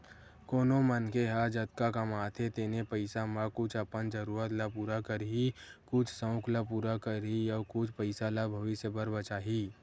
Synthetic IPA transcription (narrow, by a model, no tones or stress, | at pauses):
koːnomənkeɦad͡ʒət̪kakɐmaːt̪ʰet̪eːnepəɪsamə̃kʊt͡ʃʰɐpənd͡ʒəɾuːɾət̪lapuːɾakəɾɦikʊt͡ʃʰsə̃ʊklapuːɾakəɾijəkʊt͡ʃʰpəɪsalabʱɐʋɪsjebəɾbət͡ʃaːɦi